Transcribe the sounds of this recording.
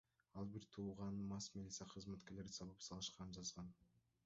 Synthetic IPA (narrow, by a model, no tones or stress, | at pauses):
ɑlˠbiɾt̪ʰuːʁɑnmɑsmilʲit̪sijaqʰɯzmat̪ke̞ɾle̞ɾd̪isɑβɯpsɑlˠɯʃqɑnɯnd͡ʒɑzʁɑn